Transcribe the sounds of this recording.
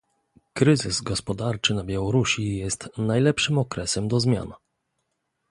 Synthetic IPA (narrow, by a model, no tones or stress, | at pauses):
kɾɘzɘzɡɔspɔd̪aɾt͡ʂɘnabʲjawɔɾuɕijɛst̪najlɛpʂɘmɔkɾɛsɛmd̪ɔzmʲja̰n